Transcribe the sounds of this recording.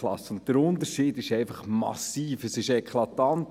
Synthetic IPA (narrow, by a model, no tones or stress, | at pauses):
lɑ̰sʊnttəɾʊnt̪əɾʃiːdɪʃɛɪfɑχmɑ̰siːfəsɪʃɛkχlɑt̪ɑnt